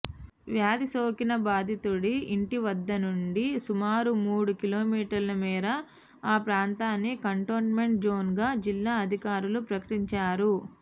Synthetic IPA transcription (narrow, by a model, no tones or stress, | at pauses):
ʋjaːd̪isoːkinɐbaːd̪ʱit̪uɽiːɳʈiʋɐd̪ːɐnuɳɖisumaːɾumuːɽukiloːmiːʈɐɾlɐmiːɾɐ | aːpɾaːnt̪aːnːikɐɳʈoːʈme̞ɳʈ̚d͡ʒoːnɡaːd͡ʒilːaːɐd̪ʱikaːɾulupɾɐkɐʈiɲt͡ʃaːɾu